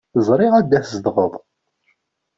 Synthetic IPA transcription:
əzˤɾˤɪʁæd̪ːæθzd̪ʁəðˤ

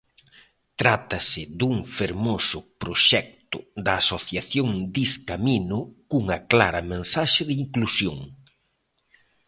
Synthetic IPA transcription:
t̪ɾat̪ɐsɪðuŋfeɾmosʊpɾoʃɛk̚t̪ʊ̰d̪ɐːsoθjaθjoŋd̪iskaminʊkuŋɐkla̰ɾɐmẽnsaʃɪðɪiŋklusjoŋ

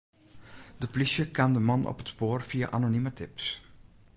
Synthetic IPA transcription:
dəplisjəkamdəmɑnɔ̰pətspoːrfia̰ʔanonimətɪps

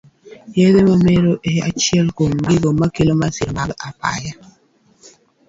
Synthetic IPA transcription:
jedemameɾoʔea̰t͡ʃɪɛlkomɡɪɡomakelomasɪɾmaɡapa̰ja

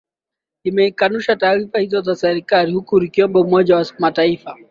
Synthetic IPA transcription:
imɛikanuʃataːɾifahizɔzasɛɾikaɾihukuɾikiɔmbɔmɔʄawasmataifa

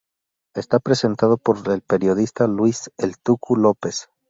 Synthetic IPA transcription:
e̞st̪apɾe̞se̞nt̪aðo̞po̞ɾelpe̞ɾjo̞ðist̪alwiselt̪ukʰulo̞pe̞s

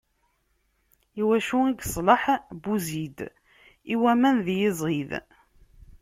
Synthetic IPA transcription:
iwæʃuiɡsˤləħbuzid̪ | iwæmænðjɪzˤið

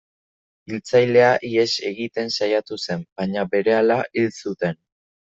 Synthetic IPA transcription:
ilt͡sajle̞aʔie̞se̞ɣit̪e̞nsajat̪use̞mbaɲabe̞ɾe̞alaʔilsut̪e̞n

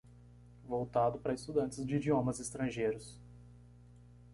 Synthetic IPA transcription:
vowt̪ad̪ʊpaɾɐɪst̪ud̪ɐ̃nt͡ʃɪzd͡ʒɪid͡ʒiõmɐzɪst̪ɾɐ̃ʒejɾʊs

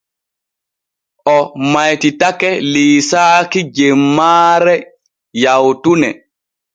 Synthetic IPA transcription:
ʔɔmajtitakɛliːsaːkid͡ʒɛmːaːɾɛ | jawtunɛ

